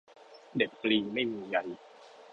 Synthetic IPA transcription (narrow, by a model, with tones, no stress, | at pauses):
de˨˩p̚kliː˧ŋma˥˩jmiː˧ja˧j